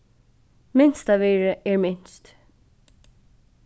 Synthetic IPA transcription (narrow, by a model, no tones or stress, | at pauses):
mɪnst̪aʋɛːɹəɛɹmɪnst̪